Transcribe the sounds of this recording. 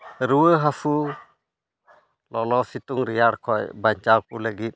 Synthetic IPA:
ɾuwəɦafʰu | lɔlɔsituŋɾijaɽkʰɔjbaɲt͡ʃawkuləɡit̚

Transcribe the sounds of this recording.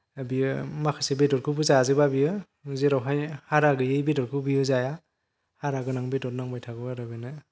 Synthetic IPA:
abiɯmakʰɯsebedɔɾkʰɯbɯzaazɯbabiɯ | zeɾawɦajhaɾaɡɯjɯjbedɔɾkʰɯbijɯzaja | haɾaɡɯnaŋbedɔɾ̚naŋbajtʰaɡɯaɾabenɯ

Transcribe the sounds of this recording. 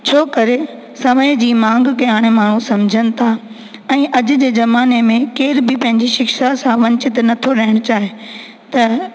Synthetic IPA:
t͡ɕʰoːkɐɾe | sɐməjd͡ʑiːmãːŋɡkɐjaːɽ̃emaːɳ̤̃ũsɐ̃md͡ʑʱəñɪ̆t̪ʰa | ɛ̃ːʔɐd͡ʑʊ̆d͡ʑeːzɐmaːnemẽkeːɾbɪpɐ̃ɦɪ̃ɲd͡ʑiʃɪkʃasãʋɐ̃ɲt͡ɕɪt̪nɐt̪ʰoɾɐɦɪɽ̃ʊt͡ɕaːɦe | t̪ɐ

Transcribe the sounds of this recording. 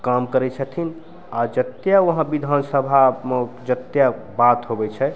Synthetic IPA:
kamkəɾɛt͡ʃʰət̪ʰin | ad͡ʒət̪jaʋəɦãbid̪ʱansəbʱamed͡ʒət̪ja | bat̪ɦobɛt͡ʃʰɛ

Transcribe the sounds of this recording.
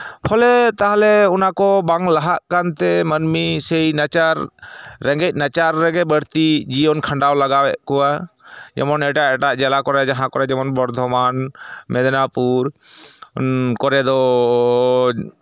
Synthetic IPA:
pʰɔlɛt̪aɦalɛɔnakɔbaŋlaɦaʔkant̪ɛmənmisɛjnat͡ʃaɾːɛ̃ŋɡɛc̚ˀnat͡ʃaɾːɛɡɛbəɽt̪id͡ʒijɔnkʰaɳɖawlaɡawɛʔkɔad͡ʒɛ̰mɔnɛʈaʔɛʈaʔd͡ʒɛlakɔɾɛd͡ʒaɦãkɔɾɛd͡ʒɛmɔnbɔɾd̪ʱɔmanmɛd̪napuɾ | kɔɾɛd̪ɔ

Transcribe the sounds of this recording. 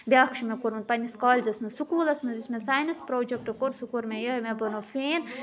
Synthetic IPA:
bʲaːkʃimekoɾmɐnpɐnʲiskaːlʲzɐsmesukuːlɐsmɐzismesaːjnɐspɾoːd͡ʒek̚ʈɨkoɾsukuɾmejɐmebɐnofeːn

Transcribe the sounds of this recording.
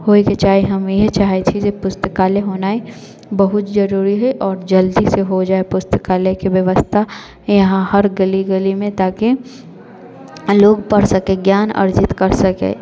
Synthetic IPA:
hoːiket͡ʃaːɦeɦɐmjet͡ʃaːɦet̪ʰid͡ʒepʊst̪əkaːleɦoːnaːe | bɐɦʊt̪d͡ʒɐɾuːɾiɦɛʔɔːɾd͡ʒɐld̪iseɦod͡ʒaːepʊst̪ə̥kaːlekebjɐʋəst̪ʰa | jɐɦãhɐɾɡɐliɡɐlimẽt̪aːki | loːɡpɐɽsɐkeɡjaːnɐ̰ɾd͡ʒɪt̪kɐɾsɐkḛː

